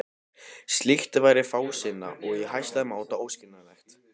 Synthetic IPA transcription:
st̪liht̪vajɾɪfaːwsɪnːa̰ʔɔɣihajst̪laðmaːwt̪aoːwscɪnːalɛxt̪

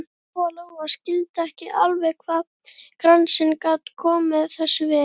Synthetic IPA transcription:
fɔlaɣɔascɪlt̪aɛhcɪʔalvɛɣkʰva | kɾansɪnkat̪kʰɔːmɪðθɛsːʏvɪ

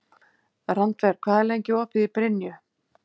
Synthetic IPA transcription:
rant̪vɛɾ̥kʰvaːðɛlejɲcɪɔhpɪðipɾɪnjʏ

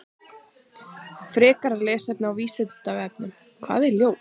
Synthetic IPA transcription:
fɾɛːkaɾaɾlɛːsɛpnɪawviːsɛt̪avɛpnɪm | kʰva̰ːðɛɾljoːw

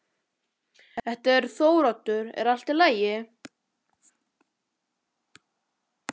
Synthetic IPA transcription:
ɛht̪ɛɾ̥θoːwɾat̪ʏɾɛ̰ɾal̥t̪ɪlaːjɪ

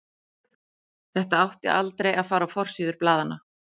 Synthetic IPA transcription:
θɛht̪aawht̪ɪ̰ʔalt̪ɾejaðfaːɾafɔr̥siːðʏɾ̥plaːðana

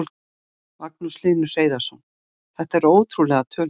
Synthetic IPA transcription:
l | mak̚nuslɪːnʏr̥eːjðḁsown | θɛht̪aɛɾoːwt̪ʰɾulɛɣat̪ʰœː

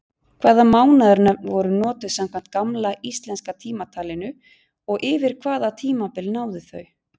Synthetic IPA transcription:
kʰvaːðamaːwnaðʏɾnœpnvɔɾʏnɔːt̪ʏ̥samkʰvan̥t̪̚kamlaist̪lɛnskat̪ʰiːmat̪ʰaːlɪnʏ | ɔɣʔɪvɪɾ̥kʰvaːðat̪ʰiːmapɪlnaːwðɪθœ̰ɥ

